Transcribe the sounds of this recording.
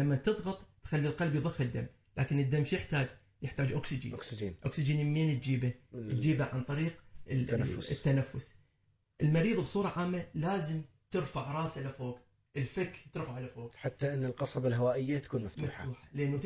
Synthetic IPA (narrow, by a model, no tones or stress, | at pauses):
amːat̪ɨðˤɣɑt̪ˤt̪xalːilqɑlbjðˤɨxːɪd̪ːamː | lʔaːkɪnɨd̪ːamːʃijɪħt̪aːd͡ʒ | jɪħt̪aːd͡ʒʔʊksɪd͡ʒḭːsd͡ʒiːnʔʊ̰ksɪd͡ʒiːnmːeːnt̪̚d͡ʒiːbad͡ʒiːbaʕant̪ˤɑɾiːq | t̪ːanafːʊs | ʔɪlmɑɾiːðˤbsˤuːɾˤɑʕaːmːalaːzɪmt̪ɪɾfaʕɾˤɑːslafoːɡ | ʔɪlfɪkːt̪ɪɾfaʕlafoːɡħat̪ːaʔɪnːɪlqɑsˤɑbalɦawaːʔɪjːat̪akuːnmaft̪mafħt̪auːħalʔanː